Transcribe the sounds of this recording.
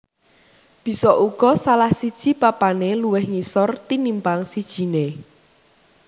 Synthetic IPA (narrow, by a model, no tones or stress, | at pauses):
b̥i̤sɔʔuɡ̥ɔsalahsid̥ʒ̥i̤papaneluwɪhŋisɔrt̪inimpaŋsid̥ʒ̥i̤ne